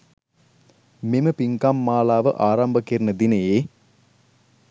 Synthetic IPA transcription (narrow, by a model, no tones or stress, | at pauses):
mimɨpiŋkamːaːlaːʋəʔaːɾɐmbʱɐkeɾnɐd̪inɐjeː